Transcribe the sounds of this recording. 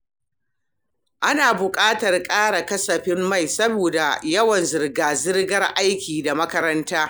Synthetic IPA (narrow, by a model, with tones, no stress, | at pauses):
ʔa˦naː˨bʊ˨kʼaː˦tɐ˨rkʼaː˦ɽa˨kɐ˦sɐ˨ɸɪ˦mːa˦˨jsɐ˦boː˨da˨jɐ˦wɐ˨nzɪ˨rɡaː˨zɪ˦rɡɐ˦rʔa˦jkʲiː˨da˨mɐ˦kɐ˦ɾɐ˦ntaː˦